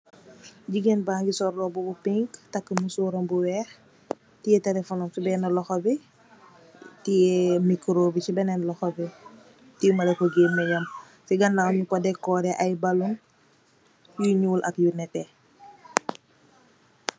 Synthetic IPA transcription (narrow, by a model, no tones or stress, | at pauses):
ɟiɡenbaːŋɡisɔrlɔbubupiŋktɐkːəmusuːɾɔmbuwɛːx | tijɛtɛlɛfɔnɔmsibɛnɐlɔxɔbi | tijɛmikɾoːbit͡ʃibɛnɛnlɔxɔbi | timɐlɛkːɔɡeːmɐjɐm | siɡɐnːawɲukɔdɛkɔːɾɛʔɐjbɐlun | juɲuːlʔɐkjunɛtɛ